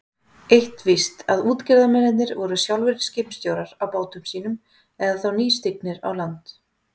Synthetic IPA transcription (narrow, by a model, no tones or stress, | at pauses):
ejht̪vɪst̪aðuːt̪cɪɾðamɛnɪt̪nɪɾvɔɾʏsjawlvɪɾscɪːpmst̪joːwɾaɾ̥awpaːwt̪ʏmsiːnʏm | ɛðaðθawniːst̪ɪk̚nɪɾa̰wlant̪